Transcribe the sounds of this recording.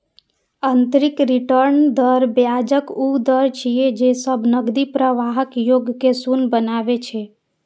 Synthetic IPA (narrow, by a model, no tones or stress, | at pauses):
ənt̪ɾikɾiʈəɾnd̪əɾbjad͡ʒəkud̪əɾt͡ʃʰijed͡ʒesəbʱnəɡd̪ipɾəʋaɦəkjoɡkesunbənabet͡ʃʰɛ